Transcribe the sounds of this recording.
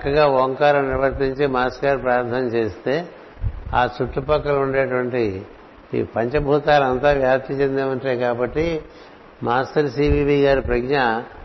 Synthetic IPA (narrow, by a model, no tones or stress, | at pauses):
ɐkːɐɡaːʋoːŋkaːɾɐmniɾʋɐɾt̪iɲt͡ʃimaːsɡaːɾpɾaːɾt̪ʰɐnɐt͡ʃe̞ːst̪e̞ː | aːt͡ʃuʈːupɐkːɐluɳɖeːɐʈuʋɐɳʈḭ | pɐɲt͡ʃɐbʱuːt̪aːlɐnt̪aːʋjaːt̪ʰit͡ʃend̪eːmɐɳʈejkaːbɐʈːi | maːsʈɐɾsiːʋiːbiːɡaːɾipɾɐɡɲɐ